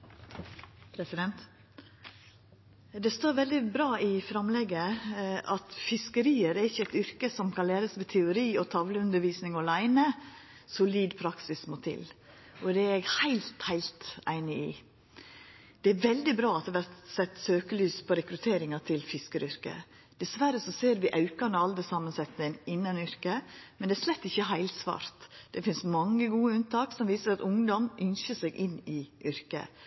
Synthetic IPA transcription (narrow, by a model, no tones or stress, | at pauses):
pʰɾɛsɪd̪ɛnt̪ | d̪ɛst̪oːɾʋɛld̪ɪbɾɑːɪfɾɑmlɛɡəʔɑt̪fɪskəɾiːəɾɛɾɪçəɛt̪ʏɾkəsɔmkʰɑnleːɾəsʋɛt̪ʰɛʊɾiːɔt̪ʰɑʋləʉnd̪əɾʋiːsnɪŋɔlæɪnə | sʊliːd̪pʰɾɑksɪsmot̪ʰɪ̰l | ʔɔd̪ɛɾɛɡhæɪlt̪hæɪlt̪æɪnɪɪ | d̪̥ɛæɾʋɛld̪ɪbɾɑːɑt̪ɛʋæɾt̪sɛt̪ːsøːkəlyːspʰɔɾɛkɾʉt̪ʰeːɾɪŋɑt̪ʰɪlfɪskəɾʏɾkə̰ | d̪̥ɛsʋæɾəsɔseːɾʋɪʔɑʉkɑnəɑld̪əsɑmːənsɛt̪nənɪnːɑnʏɾkəmɛnd̪ɛæɾʂlɛt̪ːɪçːəɦæɪlsʋɑ̰ːɾt̪d̪̥ɛfɪnsmɑŋːəɡuːəʉnt̪ɑːksɔmʋiːsəɾɑt̪ʊŋd̪ɔmʔʏnʃəsɛɡʔɪnːɪʔʏɾkə̰